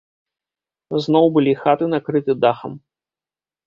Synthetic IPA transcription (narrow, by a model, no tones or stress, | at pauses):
znɔwbɨlʲixat̪ɨnakɾɨt̪ɨd̪axɐ̰m